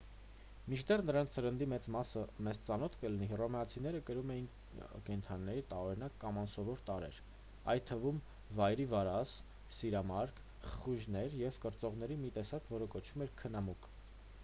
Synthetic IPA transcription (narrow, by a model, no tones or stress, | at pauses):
mit͡ʃʰd̪ɛrnəɾɑnt͡sʰəɾənd̪imɛt͡smɑsəmɛzt͡sɑnɔt̪ʰkəlinirɔmɛɑt͡sʰin̪ɛɾəkəɾumɛjin | kɛnt̪ʰɑnːɛɾit̪ɑɔɾinɑkːɑmɑnsɔvɔɾt̪ɑɾɛ̰ɾ | ɑ̰jt̪ʰːəvum | vɑjɾivɑɾɑs | siɾɑmɑɾkʰ | χəχuʒnɛɾjɛvkəɾt͡sɔʁnɛɾimit̪ɛsɑkvɔɾəkɔt͡ʃʰvumɛɾkʰənɑmuk